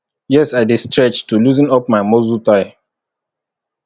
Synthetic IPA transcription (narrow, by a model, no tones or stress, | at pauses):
jɛsaɪdestɹɛt͡ʃtuluzĩnɔp̚maɪmozutaɪ